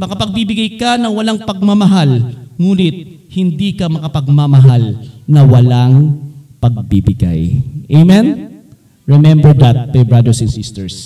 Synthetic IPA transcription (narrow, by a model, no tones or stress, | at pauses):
mɐkɐpɐɡ̚bibɪɡajkɐnɐŋwɐlaŋpɐɡ̚mɐmɐɦalŋuːnɪt̪̚ | hɪnd̪iːkɐmɐkɐpɐɡ̚mɐmɐɦalnɐwɐlaŋpɐɡ̚bibɪɡa̰jʔejmɛn | ɹɛmɛmbɛɹd̪ɐt̪̚mɐjbɹad̪ɛɹsɛ̃nsɪst̪ɛɹs